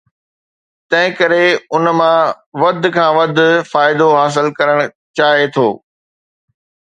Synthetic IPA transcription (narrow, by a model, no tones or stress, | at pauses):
t̪ɐ̃ɦɪ̃kɐɾeʊnmã | ʋɐd̪̆ʱkʰãːʋɐd̪ʱfaːɪd̪oɦaːs̬ɪlkɐɾəɽ̃ | t͡ɕaːɦet̪ʰoː